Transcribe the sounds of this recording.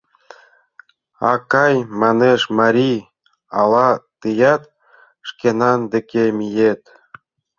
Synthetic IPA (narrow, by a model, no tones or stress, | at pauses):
ɑ̰kɑjmɑneʃmɑɾʲi | ɑlˠɑt̪ɯjɑt̪ | ʃkenɑnd̪ĕkʲemʲijet̪